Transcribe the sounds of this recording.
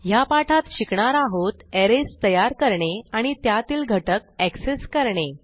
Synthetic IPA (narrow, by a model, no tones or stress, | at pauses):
japaʈʰat̪ɕikɳaɾaɦot̪ɛɾest̪əjaɾkəɾɳeaɽ̃it̪jat̪iːlɡʱəʈək̚ɛkseskəɾɳe